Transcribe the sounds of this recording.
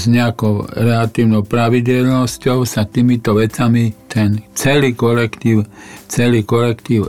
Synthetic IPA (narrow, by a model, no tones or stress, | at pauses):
zɲɛakɔʊɾɛlat̪iːʊnɔʊpɾaʋiɟɛlnɔscɔʊsat̪iːmit̪ɔʋɛt͡samit̪ʰɛnt͡sɛlikɔlɛkt̪iːwt͡sɛlikɔlɛkt̪iːʊ